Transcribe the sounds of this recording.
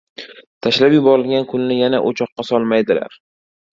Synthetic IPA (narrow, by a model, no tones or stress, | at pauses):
t̪ʰaʃlapjʊbɒɾɪlɡʲankʰʊnnɪjanaʔot͡ʃʰɒqːɑsɒlˠmajd̪ɪla̰ɾ